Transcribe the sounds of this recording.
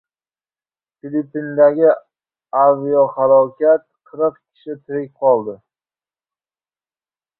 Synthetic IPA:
filipːind̪aɡʲɪ | avijɒhalˠɒkʲʰat̪̚qʰɨɾɨq̚kʲʰɪ̥ʃɪt̪ʰɪɾɪk̚ʲqʰɒlˠd̪ɪ

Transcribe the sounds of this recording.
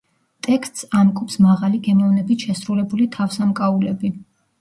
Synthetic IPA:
t̪ʼɛkst̪ʼsamkʼupsmaʁaliɡɛmɔvnɛbit̪ʃɛsɾulɛbulit̪ʰafsamkʼaulɛbi

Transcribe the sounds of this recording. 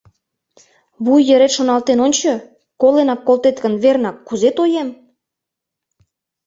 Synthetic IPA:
βujːə̆ɾet̪ʃonɑlt̪enonʲt͡ɕɤ | kolenɑkːolˠt̪et̪kə̆nβernɑkːuzet̪ojem

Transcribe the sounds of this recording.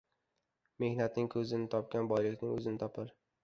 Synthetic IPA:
me̞hnat̪nɪŋkʰɵzɪnɪt̪ʰɒp̚kʲanbɒjlɪkʲnɪŋɵzɪnɪt̪ʰɒpʰɪɾ

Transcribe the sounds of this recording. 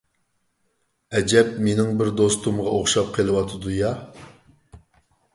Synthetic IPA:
ɛd͡ʒɛp̚menɪŋbɪɾd̪ost̪umʁɑoχʃɑp̚qʰəlˠɨwɑt̪ʰɨd̪ujɑ

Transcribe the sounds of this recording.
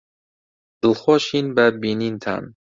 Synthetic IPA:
d̪̥ɨlxoːʃiːnbɐbiːniːnt̪ʰa̰ːn

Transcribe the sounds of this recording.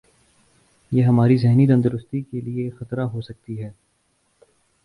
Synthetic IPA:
jeːɦɐmaːɾizɛɦnit̪̬ɐ̃nd̪ʊɾʊst̪ikeliexɐt̪ɾaɦosɐk̚t̪iɦɛː

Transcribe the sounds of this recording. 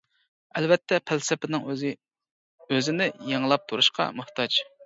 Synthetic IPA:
ɛlvɛt̪ʰːɛpʰælsɪpɪnɪŋ | øzɪnɪjeŋlˠɑp̚t̪ʰuɾuʃqɑ̰mʊχt̪ɑd͡ʒ

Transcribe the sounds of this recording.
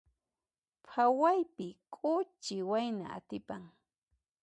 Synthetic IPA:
pʰawajpɪkʼʊt͡ʃɪwajna̰a̰t̪ɪpaŋ

